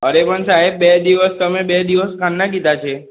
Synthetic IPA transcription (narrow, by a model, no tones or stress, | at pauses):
əɾepəɳsaɦebbed̪iʋəst̪əmebɛd̪iʋəskʰanːakid̪at͡ʃʰe